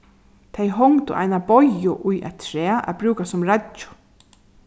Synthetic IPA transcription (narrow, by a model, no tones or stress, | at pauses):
t̪ʰejɦɔŋt̪ʊ̰ʔa̰jnabɔjʊʔʊjʔa̰t̪ʰɾɛːʔa̰bɾuːkasʊmɾat͡ʃʊ̥